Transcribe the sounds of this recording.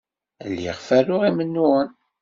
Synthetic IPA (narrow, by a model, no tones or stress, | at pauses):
lːḭʁfæɾʊʁimənːuən